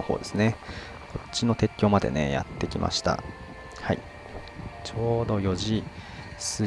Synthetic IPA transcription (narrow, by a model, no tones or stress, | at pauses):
ohoːd̪e̞sɨne | ko̞tt͡ɕːino̞t̪e̞kʲːo̞ːmad̪e̞̰ne̞̰ja̰t̪ːe̞kʲimʔa̰ɕi̥t̪a̰ | hai | t͡ɕo̞ːd̪o̞jo̞ʑi | sɨ